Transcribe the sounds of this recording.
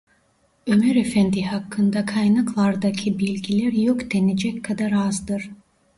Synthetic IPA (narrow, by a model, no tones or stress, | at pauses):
ømɛɾefænd̪iɦakʰːɯnd̪akʰajnaklˠaɾd̪acʰɯbilʲɟilʲæɾjokd̪ened͡ʒɛckʰːad̪aɾazd̪ɯɾ̥